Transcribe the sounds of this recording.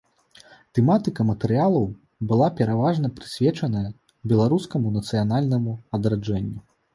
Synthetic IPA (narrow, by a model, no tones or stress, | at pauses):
t̪ɛmat̪ɨkɐmɐt̪ɛɾɨjalˠɐw | bɨlˠapʲɛɾavaʐnɐpɾɨsʲvʲɛt͡ʂɐnɐjɐ | bʲɛlˠaɾuskɐmunɐt̪sɨjanalʲnɐmuɐd̪ɾad͡ʐɛnʲːu